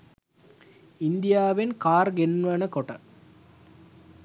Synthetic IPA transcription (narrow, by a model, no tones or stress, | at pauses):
ind̪ijaːʋenkaːɾɡenːuʋɐnɐkoʈɐ